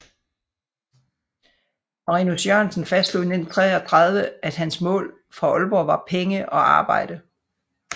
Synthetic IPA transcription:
mɑʁinusjøɐnsən̩fæsd̥luðˠnent͡sʰʁɛ̰ːɒt͡sʰʁɑ̈ð̞ˠʋəæd̥ɦænsmɔ̰̽ːl | fʁɑ̈ɔlb̥ɒʋɑ̈pʰeŋəʔɒ̽ʔɑ̈ːb̥ɑ̈ɪ̰d̥ə

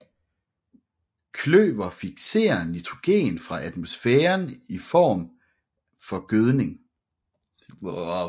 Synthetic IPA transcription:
kʰlø̰ːb̥ɐfiɡ̥se̝̰ːɐnid̥ʁo̝ɡ̥e̝̰ːnfʁɑ̈ʔæd̥mosfeːɐnifɒ̰ːm | fɒ̽ɡ̥øð̞ˠne̝ŋ

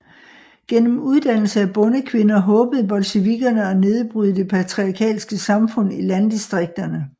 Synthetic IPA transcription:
ɡ̥en̰m̩uð̞ˠd̥æn̰l̩səæb̥ɔ̽nəkʰʋe̝nɐɦɔ̽ːb̥ð̞̩ˠb̥ɒ̽lɕəʋiɡ̥ɐnəɒ̽ne̝ð̞ˠb̥ʁyð̞̩ˠd̥e̝pʰæt͡sʰʁiɑ̈kʰɛ̰ːlsɡ̥əsɑ̈mfɔ̽n̰ilænd̥isd̥ʁeɡ̥̚d̥ɐnə

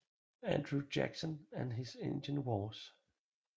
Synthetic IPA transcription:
æ̰̃ndɹud͡ʒæ̰ksə̃nɨ̃nɦɪzḛ̃nd͡ʒə̃nwɔːs

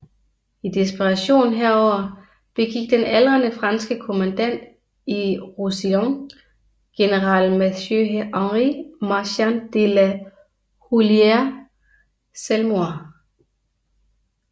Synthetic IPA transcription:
id̥isb̥iʁɑ̈ɕo̝̰ːn̩ɦeɐ̰ɒʊ̰ɐ | b̥e̝ɡ̥iɡ̥̚d̥enælʁɐnəfʁɑ̈nsɡ̥əkʰo̝mænd̥æn̰d̥ | iʁusiɒŋ | ɡ̥e̝nəʁɑ̰̈ːlmæøɑŋʁimɑ̈ɕænd̥elæ | hulieɐ | selmoɐ

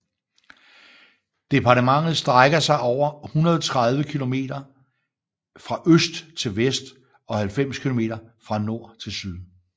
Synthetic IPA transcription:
d̥e̝pʰɑ̈ːdəmɑ̈ŋ̰ð̞̩ˠsd̥ʁaɪɡ̥ɐsɑ̈ɪʔɒʊ̰ɐhunɐð̞ˠɒt͡sʰʁɑð̞ˠʋəkʰilo̝me̝̰ːd̥ɐ | fʁɑ̈ʔøsd̥t͡sʰe̝lʋesd̥ | ɒ̽hælfem̰skʰilo̝me̝̰ːdɐfʁɑ̈no̝ɐ̰t͡sʰe̝lsyð̞ˠ

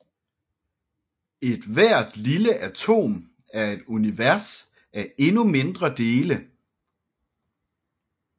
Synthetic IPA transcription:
e̝d̥ʋæɐ̰d̥liləʔæt͡sʰo̝̰ːm | æɐe̝d̥uniʋæɐs | æe̝nume̝nd̥ʁɐd̥e̝ːlə

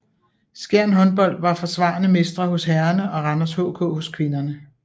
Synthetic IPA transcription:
sɡ̥æɐ̰nɦɒ̽nb̥ɒ̽l̰d̥ʋɑ̈fɒ̽sʋɑ̰̈ːnəme̝sd̥ʁɐɦɔ̽sɦæːɐnəʔɒ̽ʁɑnɐshɔ̰ːkʰɔ̰̽ːho̽skʰʋe̝nɐnə

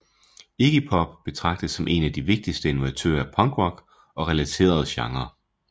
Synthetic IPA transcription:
eɡ̥ipʰɒ̽b̥b̥e̝t͡sʰʁɑ̈ɡ̥̚d̥ð̩ˠsɒ̽mʔe̝̰næd̥iʋe̝ɡ̥̚d̥isd̥əe̝nuæt͡sʰø̰ːɐæpʰɒŋɡ̥ʁɒ̽ɡ̥ | ɒ̽ʁɛlæt͡sʰe̝̰ːɐð̩ˠɕɑ̈ŋɐ

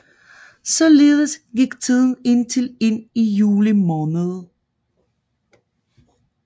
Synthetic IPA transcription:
sɒ̽le̝ːðˠəsɡ̥iɡ̥t͡sʰið̰ˠn̩e̝n̰t͡sʰe̝le̝n̰ijuːlimɒːnəð̞̩ˠ

